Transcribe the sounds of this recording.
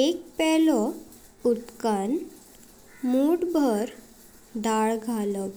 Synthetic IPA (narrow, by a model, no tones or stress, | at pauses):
ek̚pɛlɔ | ut̪kan | muɽbʱəɾ | d̪aɭɡʱalɔ